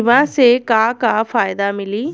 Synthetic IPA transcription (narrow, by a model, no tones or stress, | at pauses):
ʋãsekaːkaːfʰaːjd̪amɪliː